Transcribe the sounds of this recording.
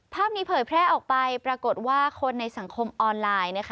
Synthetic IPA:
pʰaː˥˩p̚niː˦˥pʰɤː˨˩jpʰɾɛː˥˩ʔɔː˨˩k̚pa˧jpɾa˧ko˨˩t̪̚waː˥˩kʰo˧nːa˧jsa˩˦ŋkʰo˧mʔɔː˧nlaː˧jna˦˥kʰ

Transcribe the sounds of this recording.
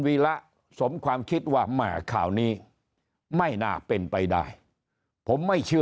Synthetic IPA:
wiː˧la˦˥ʔ | so˨˩˦mkʰwaː˧mkʰi˦˥t̪̚waː˥˩maː˨˩˦kʰa̰ː˨˩wniː˦˥ | ma˥˩jnaː˨˩pe˧npa˧jda̰ː˥˩j | pʰo˩˦mːa˥˩jt͡ɕʰɯ˥˩

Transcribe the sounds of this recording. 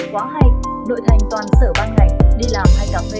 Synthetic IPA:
kwaː˨˦ɦa˨˩jŋ̟ | ɗo̰˧˨jt̪ʰa˨˩jŋ̟t̪waː˨˩nsə̰ː˧˩ɓaː˧nka˨˩jŋ̟ɗi˧laː˨˩mhaː˧˩jka˨˩whe˧˦

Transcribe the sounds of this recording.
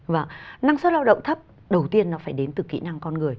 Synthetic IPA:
vəː˧˩ŋna˧ŋst̚laː˧wɗə̰˧˨wŋ͡mt̪ʰə˦˥p̚ | ɗə˨˩wt̪i˧ənːɔ˨˦faː˧˩jɗe˨˦nt̪ɨ˨˩kḭ˧˥na˧ŋkɔ˧nŋɨ˨˩əj

